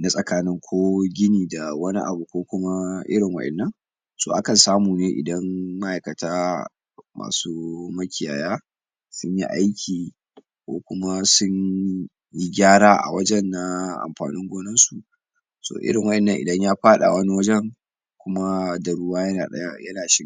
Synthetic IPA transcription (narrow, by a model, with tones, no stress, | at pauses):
na˦sʼɐ˨kaː˦nɪ˦ŋkʷʰoː˦ɡʲɪ˦niː˨da˨wɐ˦ni˦ʔa̰˨bu˨kʷoː˦kʷʊ˦ma˦ʔɪ̰˦ɾɪ˨ŋwɐ̰˦ɗɛ̰˨nːɐ˦ŋ | soː˨ʔa˦kɐ˨nsaː˦muː˨neː˦ʔɪ̰˨dɐ˦nma˦ʔa˨jkɐ˨taː˦ | ma̰ː˨suː˦mɐ˦kʲɪ˨ja̰ː˨jaː˦ | sʊ˦ɲji˦ʔa˦jkʲʰiː˨ | kʷo̰ː˦kʷʊ˦ma˦sʊ˦ɲ | ji˦ɡʲaː˦ɽaː˦ʔa̰˨wɐ˦d͡ʒɛ˦nːa˨ʔa̰˨mɸa̰ː˨nɪ˦ŋɡʷoː˦nɐ˦nsu˨ʔ | so̰ː˨ʔɪ̰˦ɾɪ˨ŋwɐ˦ʔɛ˨nːɐ˦ŋʔɪ̰˨dɐ˦ɲjaː˦ɸaː˦ɗa̰˨wɐ˦ni˦wɐ˦d͡ʒɛ˦ŋ | kʷʊ˦ma˦dɐ˨ɽʊ˦waː˦jɐ˦naː˨ɗɐ̰˦ja˦jɐ˦naː˨ʃɪ˦